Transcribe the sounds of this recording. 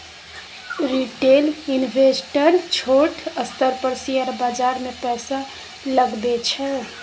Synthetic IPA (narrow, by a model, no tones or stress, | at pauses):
ɾiʈelinbʱesʈəɾt͡ʃʰoʈʰəst̪əɾpəɾsijəɾbad͡ʒaɾmepɛjsa | ləɡd̪et͡ʃʰɛ